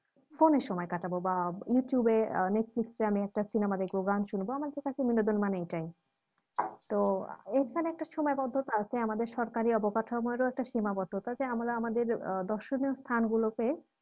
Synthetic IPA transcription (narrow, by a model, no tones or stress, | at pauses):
foneɾʃɔmɔekaʈabobajuʈjubeneʈfliksɾeamiɛk̚ʈat͡ɕinamad̪eɡoɡanʃunboamad̪eɾek̪akiminːod̪onmanejʈaj | t̪oeɾkʰaneɛk̚ʈaʃimɔebɔd̪ʱːot̪aat͡ɕʰeamad̪eɾʃɔɾkaɾiɔbokatʰɔmɔeɾoɛk̚ʈaʃimabɔd̪ʱːot̪ad͡ʑeamalaamad̪eɾd̪ɔɾʃoniost̪ʰanɡuloke